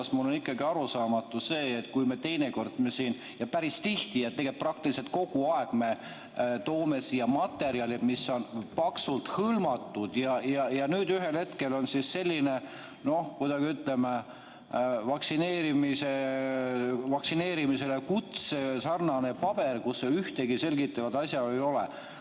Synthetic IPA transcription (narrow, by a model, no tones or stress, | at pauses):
smulo̞nikˑːɑɡiɑɾusɑːmɑt̪ːˑuse̞ːt̪kujme̞t̪e̞jne̞ko̞rd̪̥mesiːn | jɑpæɾist̪iht̪iet̪t̪ːeɡeprɑk̚t̪ilise̞lt̪̚ko̞ɡ̥uɑe̞ɡ̥me̞ | t̪o̞ːme̞siːjɑmɑt̪ːˑe̞ɾiɑlimiso̞npɑksult̪hɤlmɑt̪ːˑud̪̥jɑjɑjɑnyːd̪yɦe̞lhet̪ke̞lo̞nsisːe̞lʲːine̞ | no̞hkujd̪̥ɑɡ̥iyt̪leme | vɑksine̞ːɾimise | vɑksine̞ːɾimise̞lekut̪sesɑrnɑne̞pɑb̥e̞rkusːeyht̪eɡise̞lɡit̪ːˑɑvɑd̪̥ɑsʲjɑejo̞lḛ